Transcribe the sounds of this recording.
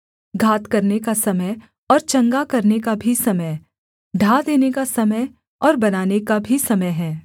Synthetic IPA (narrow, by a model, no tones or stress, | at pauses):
ɡʱaːt̪kɐɾnekasɐməj | ɔːɾt͡ʃɐ̃ŋɡakɐɾnekabʱisɐməj | ɖʱaːd̪eːnekasɐməj | ɔːɾbɐnaːnekabʱisɐməjɦɛː